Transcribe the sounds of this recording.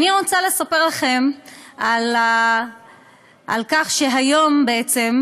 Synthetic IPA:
aniʁot͡sale̞sape̞ʁlaχe̞mal | alkaχʃe̞ɦajo̞mbeet͡se̞m

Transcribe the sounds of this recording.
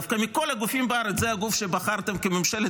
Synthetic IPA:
fkamiko̞laɡufimbeaɾet͡szehaɡufʃebaχaʁt̪emkememʃele

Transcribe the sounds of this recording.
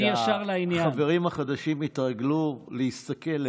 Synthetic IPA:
iaʃaʁlainjχaaveʁimhaχad̪aʃimit̪ʁaɡluleist̪ake̞l

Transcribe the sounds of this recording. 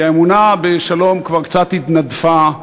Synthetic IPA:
aemunabeʃalo̞mkvaʁkt͡sat̪hit̪nad̪fa

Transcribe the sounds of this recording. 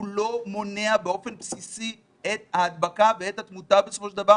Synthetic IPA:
ulo̞mo̞neabeo̞fe̞npsisi | et̪haːd̪bakaveet̪hat̪mut̪abesofo̞ʃeld̪ava

